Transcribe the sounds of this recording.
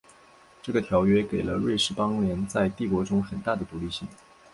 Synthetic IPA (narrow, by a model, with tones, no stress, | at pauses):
ʈ͡ʂɤ˥˩ɡə˩t̪ʰjɑ˧˥ʊɥɛ˥ke˨˩ɪlə˦ɻwe˥˧ɪʂɻ̩˥˩pɑ˥ŋljɛ˧˥nt͡sa˥˧ɪt̪i˥˩kwɔ˧˥ʈ͡ʂʊ˥ŋxə˨˩nt̪a˥˩d̪ə˩t̪u˧˥li˥˧ɕi˥˩ŋ